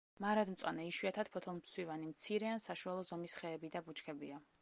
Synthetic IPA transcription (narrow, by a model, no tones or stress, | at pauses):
maɾad̪mt̪sʼwa̰nɛiʃwiat̪ʰat̪̚pʰɔt̪ʰɔlˠmsʰwivanimt̪sʰiɾɛansaʃualˠɔzɔmisχɛːbid̪abut͡ʃʰkʰɛbia